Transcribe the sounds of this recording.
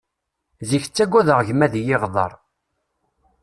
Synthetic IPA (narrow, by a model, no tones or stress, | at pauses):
ziçt͡sːæɡʷːæðəʁʝmæðjɪʁðˤɑ̰ɾˤ